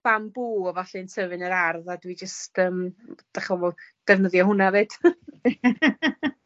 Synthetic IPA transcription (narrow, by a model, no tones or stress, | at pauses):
v̥ambuːɔvaɬinsəvɨnəɾarðadwid͡ʒəstəːmd̥aχɔvɔd̥ɛvnəðjɔhʊnaveːd̥